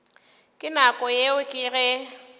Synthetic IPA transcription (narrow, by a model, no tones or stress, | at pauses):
kʼɪnakʼɔjeʊkʼɪɣɛ